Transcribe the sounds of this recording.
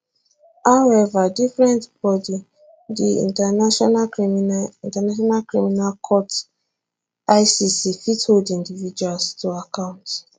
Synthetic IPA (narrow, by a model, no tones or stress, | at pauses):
haʊwɛvadifɹɛ̃ntb̥ɔdi | diḭ̃ntanʃɔnamĩntanaʃ̬ɔnalkɹiminalkʰɔt | aɪsisifitholdĩndivid͡ʒualstuakãʊ̃nt